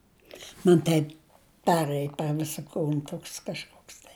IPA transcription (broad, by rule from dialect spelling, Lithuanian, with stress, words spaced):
mɐn ˈtɐɪp ˈpʲæːrɘj pʲɛr ˈʋʲɪsɐ ˈkuːn ˈtoːks kɐʃˈkoːks tɐɪ